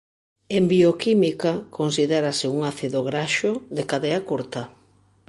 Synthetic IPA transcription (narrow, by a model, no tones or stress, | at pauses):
embiokimikakonsiðɛɾasɪuŋaθiðoɣɾaʃoðekaðeakoɾt̪ɐ